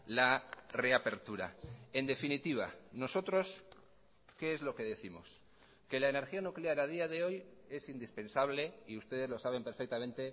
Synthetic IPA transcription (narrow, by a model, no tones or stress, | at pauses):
lare̞ape̞ɾt̪uɾa̰e̞nd̪e̞finit̪iβ̞a̰no̞so̞t̪ɾo̞s | ke̞ezlo̞ke̞ðe̞θimo̰s | ke̞laene̞ɾxianukleaɾað̞iaðe̞o̞je̞sind̪ispe̞nsaβ̞le̞iust̪e̞ð̞e̞zlo̞saβ̞e̞mpeɾfek̚t̪amẽnt̪e̞